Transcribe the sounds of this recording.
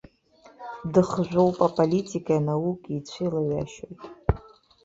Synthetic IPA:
dɨχʒʷᶣowpʼapʼolitʰʼikʰʼajanawukʼit͡ɕʷʰijlaɥa̰ʃojtʼ

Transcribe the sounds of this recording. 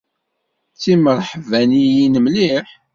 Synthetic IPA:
t͡sːiməɾˤħvænijinəmliħ

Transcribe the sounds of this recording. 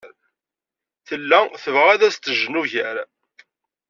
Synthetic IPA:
ɾ | θəlːæθəvʁæðæst̪ːəʒnuʝæɾ

